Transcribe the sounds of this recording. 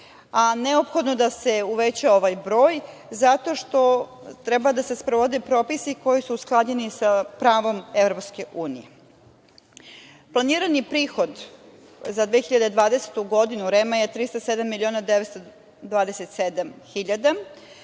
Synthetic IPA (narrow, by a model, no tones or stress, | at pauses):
aneopxo̞d̪no̞d̪ase̞uʋet͡ɕao̞ʋajbɾoːj | zat̪o̞ʃt̪o̞ | t̪ɾɛbad̪ase̞spɾoʋod̪epɾo̞pisiko̞jisuːsklˠad͡ʑenisapɾaːʋo̞mevɾo̞pske̞ʔuːnḭje | plˠaniːɾanipɾiːxo̞d̪ | zad̪ʋeːxiʎad̪ed̪ʋaːd̪eset̪uɡo̞d̪inuɾemajet̪ɾist̪ased̪amːilio̞ːnad̪eʋet̪st̪o | d̪ʋaːd̪eset̪sed̪amxiʎad̪a